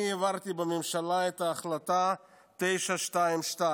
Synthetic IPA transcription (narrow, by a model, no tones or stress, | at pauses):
evaʁt̪ibemimʃalaet̪aːχlat̪a | t̪ejʃaʃtaimʃta